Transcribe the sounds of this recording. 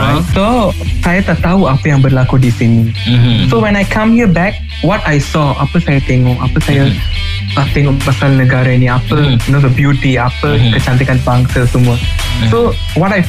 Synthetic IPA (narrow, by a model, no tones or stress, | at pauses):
ajsɔsajat̪aʔt̪auapəjaŋbərlakudisinisowɛ̃najkʰãmhiəbɛk̚ | wɔtajsɔapəsajat̪ɛŋɔʔapəsaja | t̪aʔt̪ɛŋɔʔbasalnəɡaɾainiapəinodəbjut̪iapəkət͡ʃant̪̬ikanbaŋsəsəmuə | so | wɔtaj